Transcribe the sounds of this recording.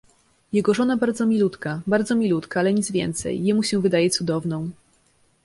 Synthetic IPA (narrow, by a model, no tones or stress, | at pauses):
jɛɡɔʐɔnabaɾd̪zɔmʲilut̪kabaɾd̪zɔmʲilut̪kaalɛɲid̪zvʲjɛ̰nt̪sɛ̰jːɛmuɕɛ̃vɘd̪ajɛt̪sud̪ɔvnɔ̃w̃